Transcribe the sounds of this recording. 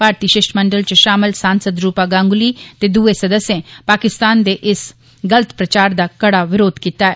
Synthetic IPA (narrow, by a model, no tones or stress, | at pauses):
paːɾt̪iːʃɪʃʈməɳɖəlt͡ʃəʃaːmɪlsaːnsəd̪ɾuːpaːɡãːŋɡliːt̪ed̪uːesəd̪əsːjẽːpaːkɪst̪aːnd̪eːʔɪs | ɡələt̪pɾət͡ʃaːɾd̪aːkɐɽaːʋɪɾoːd̪kiːt̪aːɛː